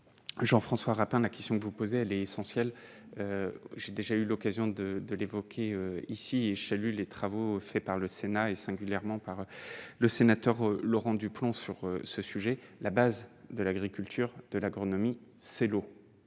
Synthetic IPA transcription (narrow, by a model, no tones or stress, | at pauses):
ʒɑ̃fχɑ̃swaʁapɛ̃lakʲɛ̥st̪jɔ̃kəvupozeɛlɛesɑ̃sjɛl | øʒed̪eʒaylɔkazjɔ̃d̪əd̪əlevɔkʲʰeøisiesalylet̪χavofɛpaʁləsenaesɛ̃ɡʲyljɛʁmɑ̃paʁøləsenat̪œʁlɔʁɑ̃d̪yplɔ̃syʁøsəsyʒɛlabazd̪əlaɡʁikʲylt̪ʰyʁd̪̥əlaɡʁɔnɔmisɛlo